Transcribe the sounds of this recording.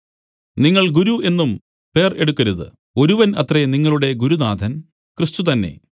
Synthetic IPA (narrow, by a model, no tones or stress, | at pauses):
niŋːɐɭɡuɾue̞nːum | pe̞ːre̞ɽukːɐɾuðɨ̰ | o̞ɾuʋɐnɐt̪reniŋːɐɭuɽe̞ɡuɾud̪aːd̪ʱɐn | krɨst̪ut̪ɐnːe̞̰